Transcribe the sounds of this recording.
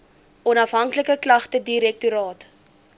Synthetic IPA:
ʔɔnɐfɦɐŋkləkəklɐχtədiɾɛk̚tuɾɑːt

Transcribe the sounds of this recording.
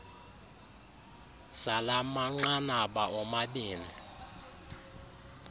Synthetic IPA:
salamaŋ͡ǁanaɓaʔɔmaɓiːni

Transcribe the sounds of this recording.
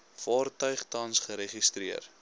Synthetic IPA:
fɑːrtœɥχtɐnsχəɾeχistriər

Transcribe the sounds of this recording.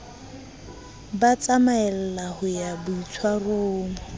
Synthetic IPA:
bat͡sʼamaɛl̩lahʊjabʊit͡sʰwaroːŋʊ

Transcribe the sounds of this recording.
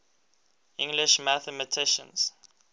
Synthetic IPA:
ɪ̃ŋɡlɪʃmaθɛmətʰɪʃə̰̃ns

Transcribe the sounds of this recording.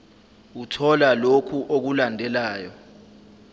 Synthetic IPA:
utʰɔlalokʰuʔok̬ulandʱɛlaːjɔ

